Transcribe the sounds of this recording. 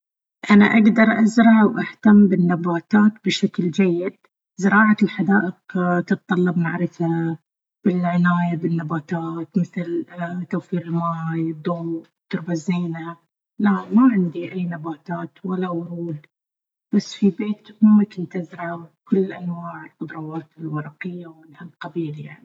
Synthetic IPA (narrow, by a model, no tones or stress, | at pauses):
ʔana̰ʔaɡd̪ɑɾˤʔazɾˤɑʕwʔaht̪ambɪnːabaːt̪aːt̪̚bɪʃakld͡ʒajːɪd̪̚ | zɪɾˤɑːʕalħad̪aːʔɪqt̪ɨt̪t̪ˤːɑlːɑbnaʕɾɪfa | b̥ɪlʕɪnaːjabɪnːabaːt̪aːt̪mɪθɪlt̪awfiːɾɪlmaːjɨd̪ˤːoːm | t̪ɪɾbazːeːna | lamaʕɪnd̪iʔajːnabaːt̪aːt̪walːawʊɾˤuːl | b̥asːfibeːt̪mʊmːakɪnt̪ɪzɾɑkʊlːʔanwaːʕɪlqʊd̪ˤɾˤɑwaːt̪ɪlwɑɾˤɑqɪjːawɪnhalqabiːlja̰ʕni